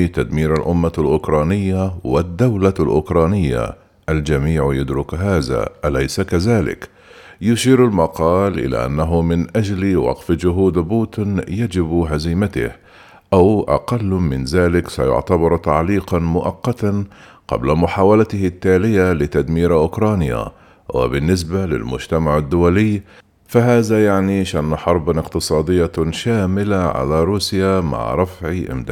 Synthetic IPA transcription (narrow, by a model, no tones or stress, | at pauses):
t̪ad̪miːɾalʔʊmːalʔʊkɾˤɑːnɪjːawɪd̪ːawlalʔʊkɾˤɑːnɪjːa̰ | ʔald͡ʒamiːʕjʊd̪ɾʊkɦaːða̰ʔalajsakaðaːlɪ̰k | jʊʃiːɾalmɑqɑːlʔɪ̰la̰ːʔa̰nːaɦʊmɪnʔad͡ʒlwɑ̰qfd͡ʒʊɦuːd̪buːt̪ɪnjad͡ʒɪbɦaziːmat̪ɪ̰h | ʔawʔɑ̰qɑlːmɪnzaːlɪksa̰jʊ̰ʕt̪abɑɾˤt̪aʕliːqɑnmʊʔɑqːɑt̪an | qɑ̰blamʊħaːwalat̪ɪhɪt̪ːaːlɪjalɪt̪ad̪miːɾʔʊkɾˤɑːnja̰ | wɪ̰bɪnːɪs̬balɪ̰lmʊd͡ʒt̪amaʕad̪ːʊwalɪjː | faɦaːðajaʕniʃʔanːħɑɾˤbɪqt̪ɨsˤɑːd̪ɪjːaʃaːmɪlaʕa̰laɾˤuːsjama̰ʕɾˤɑfʕiʔɪ̰md̪a